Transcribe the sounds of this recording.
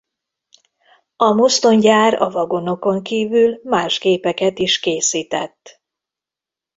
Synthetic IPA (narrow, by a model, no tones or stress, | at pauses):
ɒmost̪o̞ɲɟaːɾɒ̰vɒɡo̞no̞ko̞ŋkiːvylmaːʒɡeːpɛkɛt̪iʃkeːsiːt̪ɛ̰t̪ː